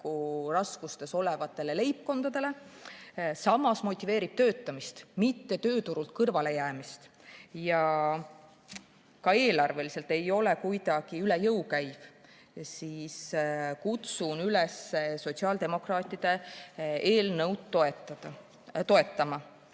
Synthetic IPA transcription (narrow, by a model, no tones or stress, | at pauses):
kurɑskust̪e̞so̞le̞vɑt̪ːˑe̞le̞le̞jp̚ko̞nd̪̥ɑd̪̥e̞le̞ | sɑmːˑɑsmo̞t̪ʲːˑive̞ːɾib̥̚t̪ø̞ːt̪ːˑɑmist̪mit̪ːe̞t̪ø̞ːt̪uɾult̪̚kɤrvɑle̞jæːmist̪ | jɑ | kɑe̞ːlɑrve̞lise̞lt̪e̞jo̞le̞kujd̪ɑɡ̥iylejɤwkæjv̥ | siːskut̪sunyleseso̞t̪siɑːld̪e̞mo̞krɑːt̪ʲːˑid̪̥e̞ | eːlnɤwd̪t̪ːoet̪ːɑ̥ | t̪o̞e̞t̪ːˑɑmɑ